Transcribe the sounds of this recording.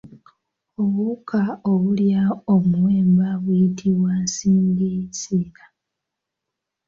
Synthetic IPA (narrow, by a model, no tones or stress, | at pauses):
oβukʰaoβuljaomuweːmbaβwiitʰiβwansiːŋɡisiːkḁ